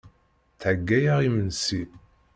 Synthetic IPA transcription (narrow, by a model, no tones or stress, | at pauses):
θʕəɡːæjaʁimənsi